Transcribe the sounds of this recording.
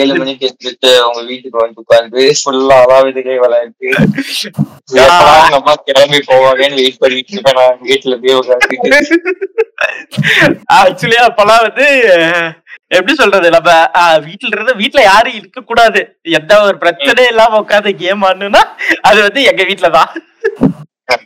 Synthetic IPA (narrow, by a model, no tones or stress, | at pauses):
jeːlɯmɐnːɪʈːɯɛd̪ɯʈːɯʊŋɡɐʋiːʈːɯkːɯʋɐnd̪ɯkːaːɾkɯfʊlːɐɐlaːʋɪðɐkːɐʋɐlaːɪɾɯkːɯ | ɪlːɐɐaːnɐmːaːkɛɾɐmbipoːʋãːʋeːnɯʋeːʈɯpɐɾʋiːʈːɪɯpːɐːnãːŋʋiːʈːɪlɛb̪ijʋɐkːaːɾikːɯ | aːk̚t͡ʃʊɐliaːpːɐlãːʋɐnd̪ɯ | ɛpːɐɽisɔlrɾɐðɯnɐmɐʋiːʈːɪlɾɐðɯʋiːʈːɪlɐjaːɾɯɪɾɯkːɐkːuːɽaːðɯ | ɛnd̪aɔɾɯpɪɾɐt͡ʃːɐnɐjɛlːãːmoːkːaːðɯɡeːmaːnːɯ̃nːaːɐðɯʋɐnd̪ɯɛŋɡɐʋiːʈːɪlɐt̪ãː